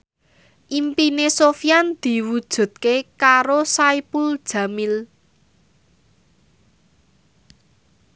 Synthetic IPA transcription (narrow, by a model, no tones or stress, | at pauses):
ʔimpinesofijand̪̥i̤wud̥ʒ̥ṳd̪̚kekaɾosaipuld̥ʒ̥a̤mil